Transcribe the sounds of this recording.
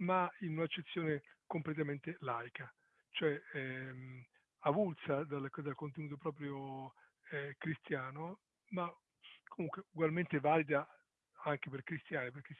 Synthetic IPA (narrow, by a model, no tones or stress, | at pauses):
mainunat͡ʃːet̪sːjoːnekomplet̪̬ament̪elajka | t͡ʃoɛɛm | avult̪sad̪alkd̪alkont̪enuːt̪̬opɾɔːp̬ɾjo | kɾist̪jaːno | ma | komuŋkweuɡwalment̪evaːlid̪a | aŋk̟eperkɾist̪jaːniperk̟es